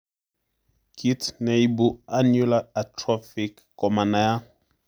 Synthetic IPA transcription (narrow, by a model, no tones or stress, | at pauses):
kitneibuanulaatʰrɔfikːɔmanaja